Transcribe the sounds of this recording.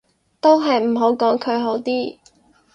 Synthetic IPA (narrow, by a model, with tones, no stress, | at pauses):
t̪o˥wɦɐ˨jm̩˨˩ɦo˨˥wkɔː˨˥ŋkʰɵ˨˧ɥɦo˨˥wt̪iː˥